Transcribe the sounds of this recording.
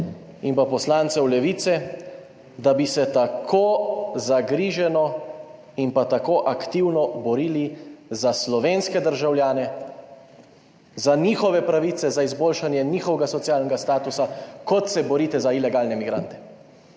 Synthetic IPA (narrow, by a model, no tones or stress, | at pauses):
impapɔslaːnt̪sɛwlɛʋit̪sɛ | d̪abisɛt̪akʰoːzaɡɾiːʒɛnɔ | impat̪akoʔakt̪iwnɔbɔɾiːlizaslɔʋeːnskɛd̪əɾʒawljaːnɛ | zaniːxɔʋɛpɾaʋiːt̪sɛzaizboːlʃanjɛniːxɔʋɛɡasɔt̪sijaːlnɛɡast̪aːt̪usakɔt̪sɛbɔɾiːt̪ɛzailɛɡaːlnɛmiɡɾa̰nt̪ɛ̥